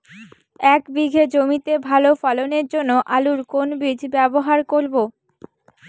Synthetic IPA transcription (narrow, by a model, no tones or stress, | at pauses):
ɛkbiɡʱed͡ʑomit̪ebʱalofaloneɾd͡ʑonːoʔaluɾkonbid͡ʑʱbɛboɦaɾkoɾbo